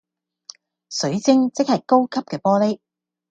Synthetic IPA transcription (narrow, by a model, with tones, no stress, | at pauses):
sɵ˨˥ɥt͡sɪ˥ŋt͡sɪ˥k̚hɐ˨jko˥wkʰɐ˥p̚kɛː˧pɔː˥le˥